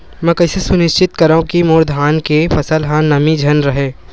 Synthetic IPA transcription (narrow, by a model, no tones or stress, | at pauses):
mɛ̃ːkɐɪsesʊnɪʃt͡ʃɪt̪kɐɾaũkimʊːɾd̪ʱɦaːnkefɐsəlɦãnɐmid͡ʒʱɐnɾɐɦeː